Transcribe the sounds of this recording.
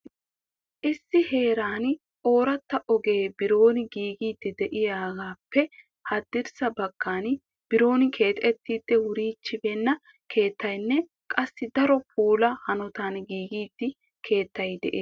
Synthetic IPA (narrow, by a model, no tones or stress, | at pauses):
ʔɪsːɪhe̞ːɾaːn | ʔo̞ːɾɐt̪ːɐʔɔɡe̞ːbɪɾo̞ːnɪɡiːɡiːd̪ːɪd̪ɛʔɪjaːɡaːpːɛ | hɐd̪ːɪɾsɐbɐkːaːn | b̥ɪɾo̞ːnɪkʰe̞ːt̪ʼɛt̪ːiːd̪̥ːɛwʊɾiːt͡ʃːɪbɛnːɐ | kʰe̞ːt̪ːɐjnːɛ | kʼɐsːɪd̪ɐɾɔpʰuːlɐhɐnɔt̪aːnɡiːɡiːd̪̥ːɪ | kʰe̞ːt̪ːɐjd̪ɛ̰ʔe